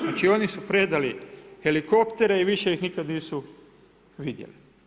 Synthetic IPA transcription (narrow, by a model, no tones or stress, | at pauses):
at͡ʃio̞nisupɾed̪alixe̞liko̞pt̪e̞ɾeiʋiʃe̞jixnikad̪niːsu | ʋid̪jḛli